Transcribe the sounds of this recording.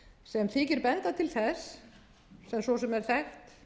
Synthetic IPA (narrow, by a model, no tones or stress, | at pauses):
sɛmθiːcɪɾpɛnt̪at̪ʰɪlθɛsː | ɛmsvɔsɛmɛɾ̥θɛxt̪